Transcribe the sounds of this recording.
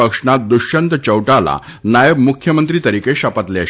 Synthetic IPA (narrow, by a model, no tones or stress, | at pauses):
əkʂɳat̪̚d̪uʂənt̪t͡ɕəwʈala̰ | najəbmukʰjəmənt̪ɾiːt̪əɾikeɕapat̪lea